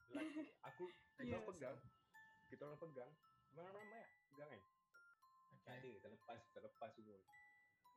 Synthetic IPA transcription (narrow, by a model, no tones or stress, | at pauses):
laakuimapəɡaŋkit̪aoɾaŋpəɡaŋmaŋamamajaʔpəɡaŋan | adekit̪aləpaski̥t̪aləpasiɡu